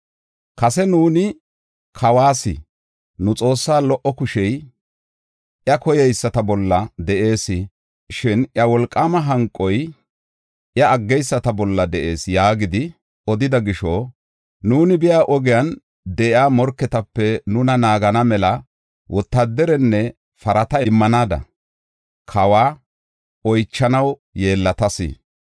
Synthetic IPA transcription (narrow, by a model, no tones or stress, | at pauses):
kɐsɛnuːnɪ | kʰɐwaːsɪ̰ | nʊt͡sʼo̞ːsːaːlɔʔɔkʊʃɛj | ʔjɐkɔjɛjsːɐt̪ɐbɔlːɐd̪ɛʔe̞ːsɪ | ʃɪnʔjɐwɔlkʼːaːmɐɦɐŋkʼːɔj | ʔjɐɐɡːɛjsːɐt̪ɐbɔlːɐd̪ɛʔe̞ːsjaːɡɪd̪ɪ | ɔd̪ɪd̪ɐɡɪʃo | nuːnɪbɪjaːʔɔɡɪjɐn | d̪ɛʔɪaːmɔɾkːɛt̪ɐpːɛnʊnɐnaːɡɐnɐmɛlɐ | wʔɔt̪ːad̪ːɛɾɛnːɛ | fɐɾɐt̪ɐmːɐnaːd̪ɐ̰ | kʰɐwaː | ɔjt͡ʃːɐnɐwje̞ːlːɐt̪ɐsɪ̰